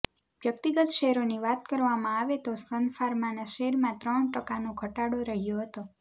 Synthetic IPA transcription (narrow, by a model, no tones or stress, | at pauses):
ʋjəkt̪iɡət̪ʃeɦɾoniʋat̪kəɾʋamãaʋet̪osənfaɾmanaʃeɾmãt̪ɾəɳʈəkanoɡʱəʈaɽoɾəɦjoɦət̪o